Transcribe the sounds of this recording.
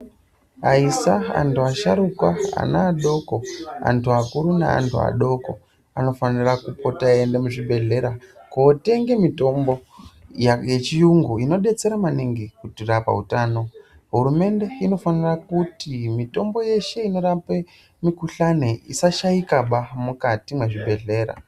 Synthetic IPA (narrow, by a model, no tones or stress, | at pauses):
aisaa̰ntʰuaʃaɾukwaa̰naːɗo̞ko̞a̰ntʰuakuɾunḛa̰ntʰṵa̰ɗo̞ko̞ | ano̞fanirakupo̞taendemuʐibʱe̞ɮe̞ɾakoːte̞ŋɡe̞mito̞mbo̞ | jet͡ʃijuŋɡuino̞ɗe̞t͡se̞ɾamaniŋɡikutirapa̰utaːno̞ | ɦuɾume̞nde̞ino̞fanirakutimito̞mbo̞je̞ʃe̞ino̞ɾape̞ | mikuɬaneḭsaʃaikaɓamukatimweʐibʱe̞ɮe̞ːɾa̰